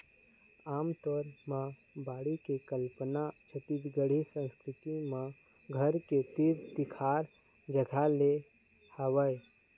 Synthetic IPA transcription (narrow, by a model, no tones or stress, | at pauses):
aːmt̪ɔːɾmã | baːɽikekəlpənat͡ʃʰət̪it̪ɡəɽ̤isə̃nskɾɪt̪imã | ɡʱəɾket̪iɾd̪ɪkʰaːɾ | d͡ʒəɡʱale | həʋəe